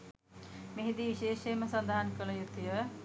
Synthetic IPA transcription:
meɦid̪iʋiʃeːʃeːməsɐnd̪aɦankələjut̪ijə

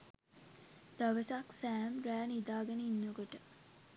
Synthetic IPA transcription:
d̪̥ɐʋəsaksæːmɾæːnid̪aːɡenəinːəkoʈə

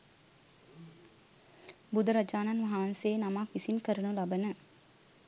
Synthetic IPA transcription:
bud̪ɐɾɐd͡ʒaːnanʋaɦaːnseːnamakʋisinkəɾənulabənə

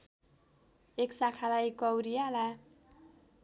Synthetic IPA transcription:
eksakʰalajkʌwɾijala

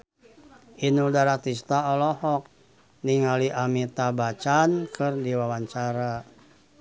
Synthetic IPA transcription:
ʔinudaɾat̪ist̪aɔlɔhɔk̚ | niŋaliʔamit̪abat͡ʃankʰɨrdiwawaɲt͡ʃaɾa

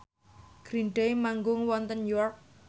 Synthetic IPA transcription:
ɡ̥ɾinɖejmaŋɡʊŋwɔnt̪ənjɔrk̚

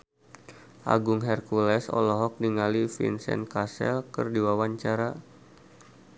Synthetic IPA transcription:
ʔa̰ɡuŋɦɛrkulɛsɔ̰lɔɦɔk̚niŋalifḭnsɛ̰nkasɛ̰lkɨ̰rdiwawaɲt͡ʃaɾa

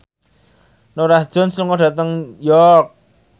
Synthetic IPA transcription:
noɾahd̥ʒ̥ɔ̤nsluŋɔɖ̥at̪əŋjɔrk̚

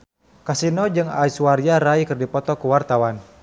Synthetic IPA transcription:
kasinɔd͡ʒɨŋa̰isuwaɾiaɾaikɨrdipɔt̪ɔkuwart̪awan

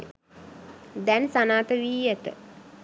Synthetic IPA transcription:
d̪ɛnsanaːt̪əʋiːjət̪ə̰

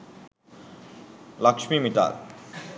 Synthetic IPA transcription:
lakʃmimiʈa̰l

